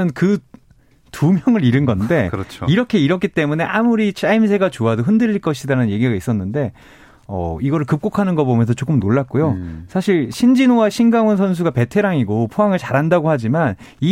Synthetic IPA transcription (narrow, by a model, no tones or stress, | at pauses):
ɯnkɯ | tumjʌŋɯɾiɾɯnɡʌnde̞kʌt͡ɕʰoiɾʌkʰe̞iɾʌkʰit͈e̞mune̞ʔamuɾit͡ɕ͈aims̬ʰe̞ɡat͡ɕoadoɦɯndɯʎːiɭk͈ʌɕʰidaɾanɯnje̞ɡiɡais͈ʌnːɯnde̞ | ʌ̰iɡʌɾɯɭkɯp̚k͈okʰanɯnɡʌbomjʌnsʰʌt͡ɕok͈ɯmnoɭːak̚k͈ojosʰaɕʰiɭɕʰind͡ʑinowaɕʰinɡaŋwʌnsʰʌns̬ʰuɡape̞tʰe̞ɾaŋiɡopʰoaŋɯɭt͡ɕaɾandaɡohad͡ʑiman | i